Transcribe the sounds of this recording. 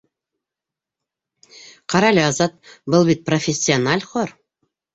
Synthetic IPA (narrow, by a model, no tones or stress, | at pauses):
qɑɾɑlʲɘɑzɑt̪̚bɤlˠbit̪̚profʲesʲːɪonalʲχoɾ